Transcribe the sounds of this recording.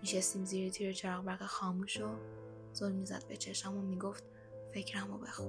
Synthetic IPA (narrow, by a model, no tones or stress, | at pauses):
miʃest̪iːmziːɾit̪ʰiːɾet͡ʃʰeɾɒɣbæɾɣexɒːmuːʃo | z̥olmːiːzæ̰d̪̥̚be̞t͡ʃʰe̞ʃæmomiɡo̞ft̪ | fe̞cʰɾæmobexun